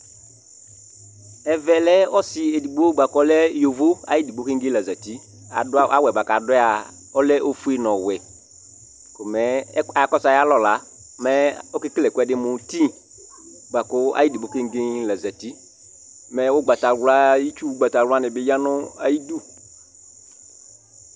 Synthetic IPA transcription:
ɛ˨vɛ˨lɛ˦ɔ˦sɪ˨e˨di˨ɡ͡bo˦ɡ͡ba˨kɔ˦lɛ˦jo˨vo˦a̰˦ji˦di˨ɡ͡bo˦kɪ˦ŋ̩˦ɡɪ˦la˨za˨ti˦ | a̰˨dʔa˦wɛ˨ba˨ka˨da˨ | ɔ˦lɛ˦ʔo˦fu˦e˦nɔ̃˨wɛ˨ | kʊ˨mɛ˦a˨˦kɔ˦sa˨ja˦lɔ˨la˨ | mɛ˦o˦kɪ˦klɛ˨kʊ˦ɛ˦dɪ˦mʊ̃˨tĩ˦ | ɡ͡ba˨kɔ˦a̰˦ji˦di˨bo˦kɪ˦ŋ˦ɡɪ˦la˨za˨ti˦ | mɛ˨wʊ˦ɡ͡ba˨ta˨wla˦ji˦t͡ʃu˦ɡ͡ba˨ta˨˦a˦nɪ˨bɪ˨˦ja˦nʊ˦a˨ji˦du˦

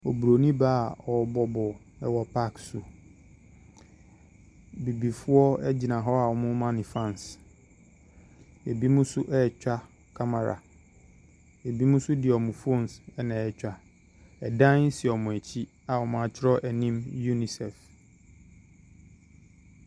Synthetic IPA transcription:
o˨bu˨ɾo˨nĩ˦baː˦˨ɔ˨bɔ˦bɔ˨ | ɛ˦wɔ˨pʰa˦ksu˨ | bi˨bi˨fʊ˦ɔ˦ɛ˦d͡ʑi˨nã˨ɦɔ˦a˨wɔ˨mʊ̃˦mã˦nɪ̃˨fã˦˨n˨s | e˨bi˦mũ˦sʊ˦ʔɛ˦˨t͡ɕᶣa˦ | kʰa˦ma˨ɾa̰˨ | e˨bi˦mũ˦sʊ˦dɪ˨ɔ˨mũ˨fo˦˨n˨sɛ˦nã˨ɛ˦t͡ɕᶣa˨ | ɛ˨dã˦n̩˦sɪ˨ɔ˨mʊ̃˨æ˨t͡ɕʰi˦ | a˨wɔ˨mã˦a˨t͡ɕʰɪ˦ɾɔ˦ʔæ˨nĩ˦mju˦ni˨sɛ˨f

